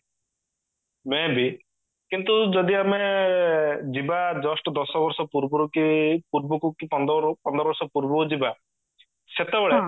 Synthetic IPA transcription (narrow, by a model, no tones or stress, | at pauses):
mebʱi | kint̪ud͡ʒɔd̪iame | d͡ʒibad͡ʒɔsʈɔd̪ɔsɔbɔɾsɔpuɾbɔɾukipuɾbɔkukipɔnd̪ɾpɔnd̪ɾɔbɔɾsɔpuɾbɔkud͡ʒiba | set̪ebɛɭe